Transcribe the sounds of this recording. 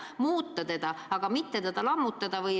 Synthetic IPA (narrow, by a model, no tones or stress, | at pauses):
muːt̪ːɑt̪e̞d̪̥ɑɑɡ̥ɑmit̪ːet̪ed̪̥ɑlɑmːut̪ːˑɑd̪ɑvɤj